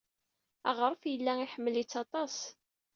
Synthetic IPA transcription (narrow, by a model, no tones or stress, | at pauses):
æ̰ʁəɾˤəfjəlːæiħəmːəlit͡sːɑt̪ˤɑs